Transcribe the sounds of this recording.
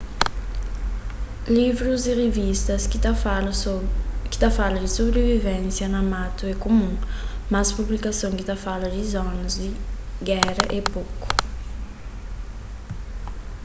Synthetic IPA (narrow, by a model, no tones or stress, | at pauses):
livɾuziʁevist̪ɐs | kɪ̥t̪afalɐd͡ʒɪsobɾevivẽnsjɐnɐmat̪uɛkomũmaspublikasõw̃kɪt̪afalɐd͡ʒɪzɔnɐzd̪ɪɡɛɾɐʔepoku̥